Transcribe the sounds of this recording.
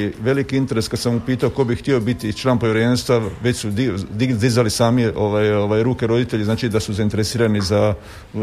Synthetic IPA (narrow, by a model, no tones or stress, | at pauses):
ʋe̞likiint̪eɾe̞skad̪samupiːt̪aoko̞bixt̪io̞bit̪it͡ʃlˠaːnpoʋʲiɾenst̪ʋaʋe̞t͡ɕsud̪id̪id̪izalisaːmio̞ʋajoʋajɾuːke̞ɾo̞d̪it̪eʎiznaːt͡ʃid̪asuzaint̪e̞ɾesiːɾaniza